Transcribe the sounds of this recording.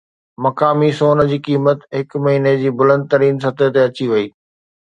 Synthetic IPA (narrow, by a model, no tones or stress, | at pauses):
mɐkaːmisoːnəd͡ʑiːkiːmət̪ɦɪkmɐɦiːned͡ʑiːbʊlə̃nd̪̚t̪ɐɾiːnsɐt̪ʰət̪eɐt͡ɕiʋɐiː